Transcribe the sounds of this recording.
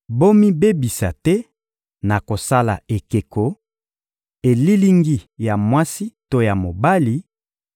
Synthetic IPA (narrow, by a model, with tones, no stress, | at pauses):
bo˦mi˦be˦bi˨sa̰˨tɛ˦ | na˨ko˨sa˦la̰˨e˨ke˨ko˨ | e˨li˦li˦ŋɡi˦ja˨mwa˦si˦to˦ja˨mo˨ba˦li˨